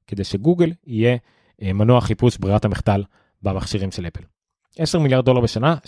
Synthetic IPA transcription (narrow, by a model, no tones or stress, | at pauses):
ked̪e̞jʃe̞ɡuɡelije̞ | manoaχipusbʁiathamiχt̪al | bamaχʃiʁimʃele̞pel | ʔeseʁmiljaʁd̚ːo̞laʁbeʃana